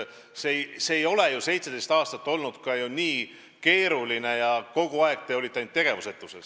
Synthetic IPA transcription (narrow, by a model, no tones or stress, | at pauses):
sejseːjo̞le̞juse̞jt̪se̞d̪̥e̞jst̪ɑːst̪ɑt̪ːˑo̞lnud̪̥kɑjuniː | ke̞ːɾuline̞jɑko̞ɡ̥uɑeɡ̥̚t̪e̞o̞lʲit̪ːˑent̪ːe̞ɡ̥e̞vuset̪ːˑuses